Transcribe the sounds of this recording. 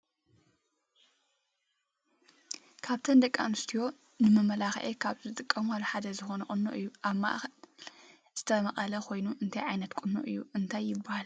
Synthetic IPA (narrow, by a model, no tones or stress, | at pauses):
kʰaβt̪ʰɐnd̪ɐkʼːa̰nɨst̪ʰijo̞ | nɨmɐmɐlaxʔekʰaβzɨt̪ʼɨkʼːɐmalħad̪ɐzɨxo̞nɐkʼʊnːoʔɨjːuʔaβma̰ʔxɐl | z̥ɨt̪ʰɐmɐχʼɐlɐkʰo̞jnuʔɨnt̪ʰajʕajnɐt̪kʼunːo̰ʔɨjːuɨnt̪ʰajːɪbːahal